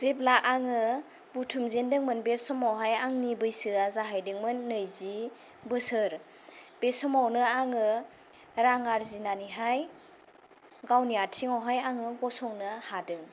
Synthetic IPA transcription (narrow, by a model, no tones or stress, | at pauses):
z̥ep̬̚laʔaŋɯ | butʰumzendɯŋmɯnbesɔmawɦajaŋnibɯjsɯazaɦajdɯŋmɯnːɯjzi | bɯsɯɾ | b̥esɔmawnɯaŋɯ | ɾaŋaɾzinaniɦaj | ɡawnijatʰiŋawɦajaŋɯɡɔsɔŋnɯhadɯŋ